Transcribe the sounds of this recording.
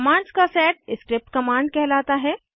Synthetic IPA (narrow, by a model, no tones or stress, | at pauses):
mãːɳɖskasɛːʈ̚ɪskɾɪp̚ʈkɐmãːɳɖkɛɦlaːt̪aɦɛː